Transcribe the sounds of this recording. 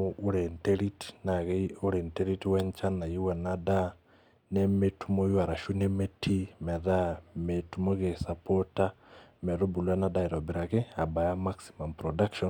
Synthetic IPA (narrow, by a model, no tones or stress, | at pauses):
uɾenteɾiti̥naɣeoɾenteɾitiwɛnt͡ʃanajiwanada | nemetumojwaɾaʃunemetʰimɛðametumoɣesapɔtamɛɾobulwanadaiɾɔbiɾakeabajamaksi̥mampɾɔdakʃɔn